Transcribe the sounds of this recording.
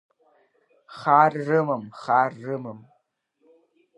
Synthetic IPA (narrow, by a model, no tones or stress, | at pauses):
χaːrːɨmɨmχaːrːɨmɨm